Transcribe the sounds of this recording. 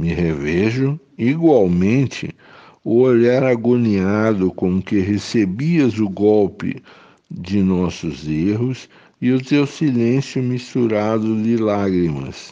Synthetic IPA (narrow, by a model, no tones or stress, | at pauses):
mɪɦevɛʒʊiɡwawmẽnt͡ʃ̪ɪ̰ | ʊoʎaɾaɡoniad̪ʊkõmkeɦesebiɐzʊɡɔwpɪ̰ | d͡ʒɪnɔsʊzeɦʊs | ɪʊt̪ewsilẽsjʊmist̪uɾad̪ʊd̪ɪlaɡɾimɐ̰s